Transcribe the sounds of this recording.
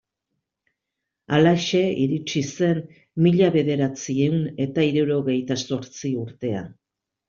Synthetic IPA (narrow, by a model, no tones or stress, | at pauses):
alaʃe̞iɾit͡ʃise̞n | miʎaβe̞ð̞e̞ɾat͡siewne̞t̪aiɾuɾo̞ɣe̞jt̪aso̞ɾt͡siuɾt̪e̞a̰n